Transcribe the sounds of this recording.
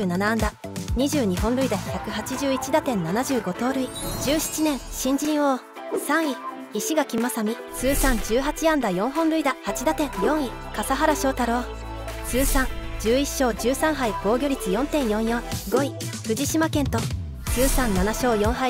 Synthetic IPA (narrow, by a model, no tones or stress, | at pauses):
nanaãnd̪a | ɲ̟iʑɨːɲ̟iɦõ̞nɾɯ̟id̪açakɯ̟ɦat͡ɕiʑɨːit͡ɕid̪at̪ẽ̞nːanaʑɨːɡo̞t̪o̞ːɾɯ̟id͡ʑɨːɕi̥t͡ɕinẽ̞ɰ̃ɕĩɲ̟d͡ʑĩɰ̃o | sãɰ̃iː | ɕiɡakʲimasamʲi | sɨːsãɲ̟d͡ʑɨːɦat͡ɕiãnd̪ajõ̞ɰ̃ɦõnɾɯ̟id̪ahat͡ɕid̪at̪ẽ̞ɰjõɰ̃i | kasaɦaɾaɕo̞ːt̪aɾo̞ː | sɨːsãŋd͡ʑɨːiɕːo̞ːd͡ʑɨːsãɰ̃ɦaiɡ̥o̞ːɡʲo̞ɾʲit͡sɨjõ̞nt̪ẽ̞ɰ̃jõ̞ɰ̃jõ̞ɡo̞i | ɸɯ̟ʑiɕimakẽ̞nt̪o̞ | sɨːsãnːanaɕo̞ːjõ̞ɰ̃ɦa